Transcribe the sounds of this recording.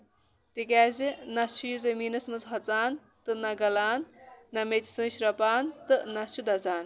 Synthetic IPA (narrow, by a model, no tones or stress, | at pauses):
t̪ikʲaːzinɐt͡ʃʰujuzɐmiːnɐsmɐt͡sɦɔt͡saːn | t̪ɨnɐɡɐlaːnːɐmet͡ʃsɨ̃ːʃɾɐpaːnt̪ɨnɐt͡ʃʰud̪ɐt͡saːn